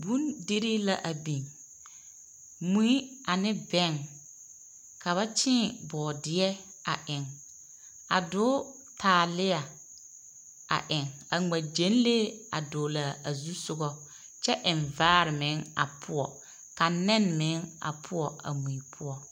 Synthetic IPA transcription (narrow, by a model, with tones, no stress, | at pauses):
bu˦ndi˦ɾi˦la˦ʔa˨bi˨ŋ | mũ˦i˦a˨nɪ˦bɛ˦ŋ | ka˨βa˦t͡ʃɪ̃˦bɔː˨dɪ˨˦ɛ˦ | a˨ʔɪ˨ŋ | a˨dʊ˦ | tʰaː˨lɪ˦a˨ | a̰˨ʔɪ˨ŋa˨ŋa˨d͡ʒe˨˦n˦le˦a̰˨dʊ˨˦la˨a˨zu˦sʊ˦ɡɔ˦ | t͡ʃɛ˦ʔɪ˨ɱvaː˦ɾɪ˨mɪ˨˦ŋa̰˨pʰʊ˦ɔ˨ | ka˨nɪ˦nmɪ̃˨˦ŋa̰˨pʰʊ˦ɔ˨ʔa̰˨mũ˨i˨˦pʰʊ˦ɔ˨